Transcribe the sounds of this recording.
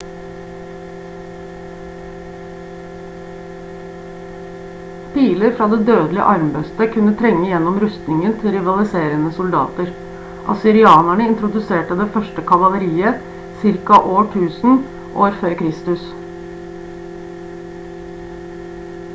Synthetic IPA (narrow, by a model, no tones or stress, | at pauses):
pʰiːləɾfɾɑːd̪eːd̪øːd̪lɪə̰ʔɑɾmbœst̪əkʰʉnət̪ʰɾɛŋːəjɛnɔmɾʉst̪nɪŋənt̪ʰɪɾɪʋɑlɪseːɾənəsʊld̪ɑ̰ːt̪əɾ | ʔɑ̰sɪɾɪɑːnæɳəɪnt̪ɾʊd̪ʉseːʈəd̪eːfœʃʈəkʰɑʋɑʋ̪əɾiːə | sɪɾkɑʔoːʈʰʉːsn̩ | ʔoːɾføːɾkʰɾɪst̪ʉs